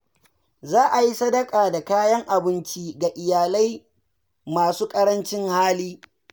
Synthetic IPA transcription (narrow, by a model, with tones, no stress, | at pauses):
zaː˦ʔa˨ji˦sɐ˦dɐ˦kʼaː˨da˨kaː˦jɐ˦ŋʔa˨bɪ˦nt͡ʃiː˦ɡa˨ʔɪ˨jaː˨la˦j | maː˨suː˦kʼɐ˦ɾɐ˦nt͡ʃɪ˦ŋhaː˦liː˦